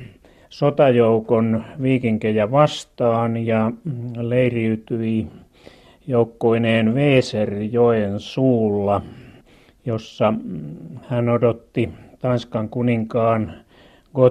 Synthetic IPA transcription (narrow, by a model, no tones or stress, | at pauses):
sot̪ɑjoukonʋiːkiŋkejæʋɑst̪ɑːnjɑleiriyt̪yi | joukːoineːnʋeːserjoensuːlːɑ | josːɑ | hænodot̪ːit̪ɑnskɑŋkuniŋkɑːn | ɡ̥o